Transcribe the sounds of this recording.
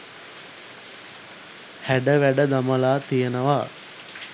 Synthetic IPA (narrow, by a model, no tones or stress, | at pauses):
hæɖəʋæɖəd̪aməlaːt̪ijənəʋaː